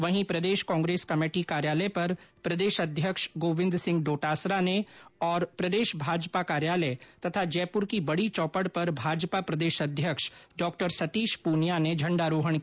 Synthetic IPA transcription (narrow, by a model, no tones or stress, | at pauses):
ʋɐɦĩpɾɐd̪eːʃkɔ̃ːŋɡɾeːskɐmeːʈikaːɾjaːləpɐɾpɾɐd̪eːʃɐd̪ʱjəkʃɡoːʋɪ̃nd̪sɪ̃ŋɡ̚ɖoːʈaːsɾaneɔːɾpɾɐd̪eːʃbʱaːd͡ʒpakaːɾjaːləet̪ɐt̪ʰad͡ʒɛːpʊɾkibɐɽit͡ʃɔːpəɽpɐɾbʱaːd͡ʒpapɾɐd̪eːʃɐd̪ʱjəkʃɖɔːk̚ʈəɾsɐt̪iːʃpuːnjaned͡ʒʱɐ̃ɳɖaɾoːɦəɳ̃